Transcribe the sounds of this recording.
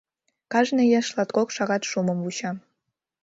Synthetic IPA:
kɑʒnejɑʃlɑt̪kokʃɑɣɑt̪ʃuməmvut͡ɕɑm

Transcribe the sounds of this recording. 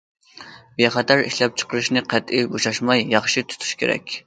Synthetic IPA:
bjɛχæt̪ʰæɾḭʃlɛp̚t͡ʃʰə̥qəɾɨʃnɨqʰæt̪ibuʃɑʃmɑjːɑχʃit̪ʰu̥t̪ʰu̥ʃkʲʰeɾɛ̰kʲ

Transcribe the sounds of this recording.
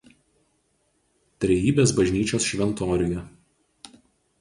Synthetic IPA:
t̪ʲɾʲɛjiːbʲeːs̬bɐʒʲnʲiːt͡ʃʲoːsʃʲʋʲɛnt̪ɔːɾʲɪjɛ

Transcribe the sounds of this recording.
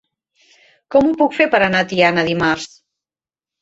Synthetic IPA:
kɔmupukfeɾpəɾənat̪ianəðimaɾs

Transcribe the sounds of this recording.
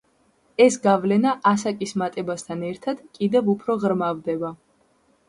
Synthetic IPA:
ɛsɡavlɛnaʔasakʼismat̪ʼɛbast̪ʰanɛɾt̪ʰad̪̥kʼid̪ɛvupʰɾɔʁɾmavd̪ɛba

